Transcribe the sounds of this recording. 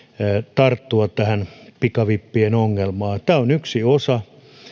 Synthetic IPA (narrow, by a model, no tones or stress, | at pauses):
t̪ɑrt̪ːuɑtt̪æhænpikɑʋipːienoŋːelmɑːt̪æːonyksiosɑ